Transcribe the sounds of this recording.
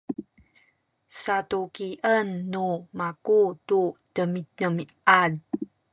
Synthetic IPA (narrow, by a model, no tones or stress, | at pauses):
satukiʔənːumakututəmitəmi | ad̚